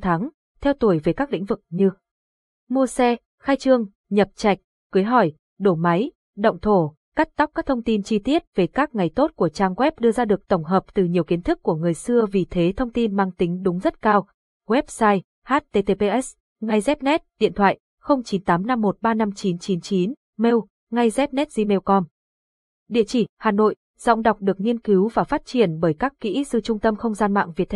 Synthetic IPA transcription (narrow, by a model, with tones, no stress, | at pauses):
t̪ʰa˨˦ŋ | t̪ʰɛ˧wt̪u˧˩əjve˨˩kaː˦˥k̚lḭ˧˥ŋ̟vɨ˨˩k̚ɲɨ˧ | mu˧əsɛ˧ | xaː˧jt͡ɕɨ˧əŋ | ɲə˨˩p̚t͡ɕa˨˩jk̟̚ | kɨ˨˦jɦɔ˧˩j | ɗo˧˩ma˨˦j | ɗə̰˧˨wŋ͡mt̪ʰo˧˩ | ka˦˥t̚t̪wk͡p̚kaː˦˥k̚t̪ʰə˧ŋ͡mt̪i˧nt͡ɕi˧t̪i˦˥ət̚ve˨˩kaː˦˥k̚ŋa˨˩jt̪o˦˥t̚ku˧˩ət͡ɕaː˧ŋɣwɛ˦˥p̚ɗɨ˧əzaː˧ɗɨ˨˩ək̚t̪ə˧˩wŋ͡mɦəː˨˩p̚t̪ɨ˨˩ɲi˨˩əwki˨˦ənt̪ʰɨ˦˥kːu˧˩əŋɨ˨˩əjsɨ˧əvi˨˩t̪ʰe˨˦t̪ʰə˧wŋ͡mt̪i˧nmaː˧ŋt̪ï˨˦ŋ̟ɗʊ˨˦ŋ͡mzə˦˥t̚kaː˧w | ɣwɛ˦˥p̚saː˧j | haː˦˥t̚t̪e˧t̪e˧pe˧ʔɛ˦˥s | ŋa˧jzɛ˦˥p̚nɛ˦˥t̚ɗḭ˧˨ənt̪ʰwa̰ː˧˨j | xə˧wŋ͡mt͡ɕi˨˦nt̪aː˨˦mna˧mːo˨˩t̚ɓaː˧na˧mt͡ɕi˨˦nt͡ɕi˨˦nt͡ɕi˨˦n | me˧w | ŋa˧jzɛ˦˥p̚nɛ˦˥t̚zi˧me˧wkɔ˧m | ɗḭ˧˨ət͡ɕi˧˩haː˨˩no̰˧˨j | z̥ɔ̰˧˨wŋ͡mɗwk͡p̚ɗɨ˨˩ək̚ŋi˧ənki˨˦wvaː˨˩faː˦˥t̚t͡ɕi˧˩ənɓəː˧˩jkaː˦˥kːḭ˧˥sɨ˧t͡ɕʊ˧ŋ͡mt̪ə˧mxə˧wŋ͡mzaː˧nma̰ː˧˨ŋvi˨˩t̪ːʰ